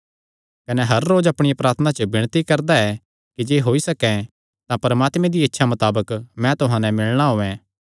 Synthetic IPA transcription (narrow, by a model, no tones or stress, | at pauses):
kɐnɛɦɐɾːoːd͡ʒɐpɽ̃ɪjapɾaːɾt̪ʰənat͡ʃəbɪɽ̃t̪ikɐɾd̪aɛ | kid͡ʒeːɦoːisɐkɛ̃ | t̪ãpɐɾmaːt̪mɛ̃d̪iɪtːʃʰamɐt̪aːbəkmɛ̃t̪ʊɦãːnɛ̃mɪɭɽ̃aɦoːɛ̃